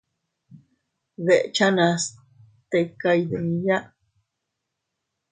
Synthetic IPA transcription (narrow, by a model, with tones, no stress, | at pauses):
βe˨ʔt͡ʃana˧s | t̪ekajd̪e˨nija˦ʔ